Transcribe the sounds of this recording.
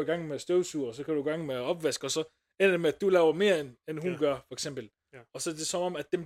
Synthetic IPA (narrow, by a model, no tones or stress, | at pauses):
iɡ̥ɑ̈ŋ̰mesd̥øʊsuːɐɒs̬ɒ̽kʰæɾ̥uiɡ̥ɑ̈ŋ̰meæɒ̽b̥ʋæsɡ̥ɒ̽sɒ̽ | end̥emeæd̥ulɛːʊɐme̝ːɐenenɦunɡ̥ɶɐfɒ̽eɡ̥sem̰b̥l̩ | ɒ̽sɒ̽d̥e̝sɒ̽mɒ̽mæd̥ːem